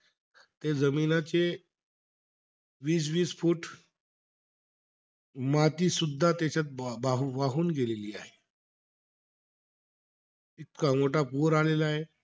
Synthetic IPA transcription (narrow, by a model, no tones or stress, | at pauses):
t̪ed͡zəminat͡se | ʋiːs̬ʋiːsfuːʈ | mat̪iːsud̪ʱːat̪at͡ɕat̪̚baɦʋaɦuːnɡeleliːaɦe | it̪kamoʈapuɾalelaɦe